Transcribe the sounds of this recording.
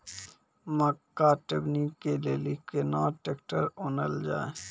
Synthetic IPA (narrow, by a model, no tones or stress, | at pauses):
məkːaʈebnikːeleːlikenaːʈeːkʈəɾonəld͡ʒa̰ːe